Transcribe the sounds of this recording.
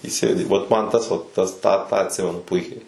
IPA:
iːˈsʲeːdʲɪ ʋɐt ˈmɐn ˈtɐs ʋɐt ˈtɐs ˈtɑː tɑː ɐtʲˈsʲɪmʲɛnʊ ˈpʊɪkʲɛɪ

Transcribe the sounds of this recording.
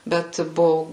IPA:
ˈbʲɛt ˈbʊʋʊ

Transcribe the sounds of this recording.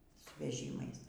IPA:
sʊ ʋʲɛˈʒʲiːmɐɪs

